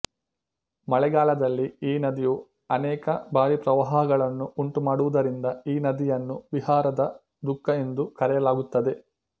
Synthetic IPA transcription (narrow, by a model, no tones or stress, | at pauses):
mɐɭɛɡaːlɐd̪ɐlːiiːnɐd̪iju | ɐnɛːkɐbaːɾipɾɐʋaɦɐɦɐɡɐɭɐnːuuɳʈumaːɽuʋud̪ɐɾind̪ɐiːnɐd̪ijɐnːuʋihaːɾɐd̪ɐ | d̪ukːɐe̞nd̪ukɐɾɛjɐlaːɡut̪ːɐd̪e̞